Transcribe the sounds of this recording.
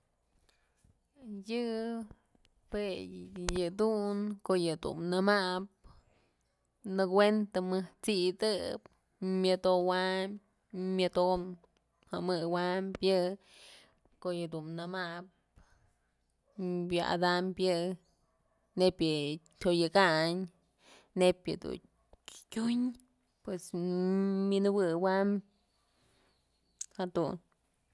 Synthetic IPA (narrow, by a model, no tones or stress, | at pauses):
jɨ | pejɨd̪uŋkoʔjɨd̪ṵmnɨmaʔp̚ | nɨkwent̪amɨht͡sid̪ɨp | mjɨd̪owam | mjɨd̪om | hamɨwampjɨ | koʔjɨd̪unnamap | bjaa̰d̪ampjɨ | nepjɨ | t̪ʲojɨkaɲ | nepjɨ̰d̪ṵ | kʲuɲ | pwes | minɨwɨwam | had̪un